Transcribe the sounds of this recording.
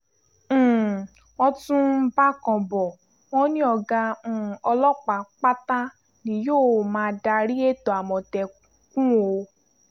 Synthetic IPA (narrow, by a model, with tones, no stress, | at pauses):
ɔ˧tũ˦ba˦kɔ̃˨bɔ˨ | wɔ̃˦nĩ˦ɔ˧ɡã˧˨ɔ˧lɔ˦k͡pa˧˨k͡pa˦ta˦ | nĩ˧joː˦˨mãː˧da˧ɾi˦e˦˨to˨a˨mɔ̃˨tɛ˨ | kũ˦o˧